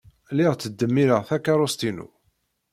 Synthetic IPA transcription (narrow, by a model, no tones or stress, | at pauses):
lɪʁt͡sːəd̪ːəmːiɾəʁθækːaɾˤost̪inṵ